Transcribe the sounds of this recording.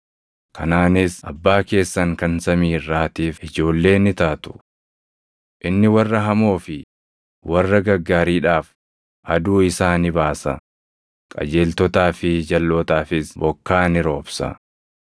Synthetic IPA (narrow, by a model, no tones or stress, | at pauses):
kʰɐnaːnɪsʔɐ̰bːaːke̞ːsːɐŋkɐnsɐmiːrːaːt̪iːfɪd͡ʒo̞ːlːe̞ːnɪt̪aːt̪ʊ̥ | ʔɪnːɪwɐrːɐɦɐmo̞ːfɪ | wʔɐrːɐɡɐɡːaːɾiːᶑaːf | ʔɐd̪uːɪsaːnɪbaːsɐ̰ | kʼɐ̰d͡ʒe̞ːlt̪ɔt̪aːfɪd͡ʒɐlːo̞ːt̪aːfɪsbɔkːaːnɪɾo̞ːbsɐ̰